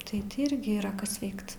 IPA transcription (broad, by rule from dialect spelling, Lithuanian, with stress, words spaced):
tɐɪ ˈtʲɪ ˈɪrʲɡʲɪ iːˈrɐ ˈkɐs ˈʋʲɛɪkt